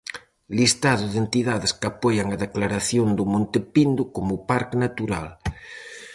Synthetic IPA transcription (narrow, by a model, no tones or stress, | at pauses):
list̪aðʊðent̪iðaðɪskapɔjaŋaðeklaɾaθjond̪ʊmõnt̪epind̪ʊkomʊpaɾknat̪uɾa̰l